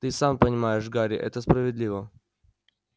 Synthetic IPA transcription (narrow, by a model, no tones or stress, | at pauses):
t̪ɨsampənʲɪmajɪʂɡaɾʲɪʔɛ̰t̪əspɾəvʲɪd̪lʲivə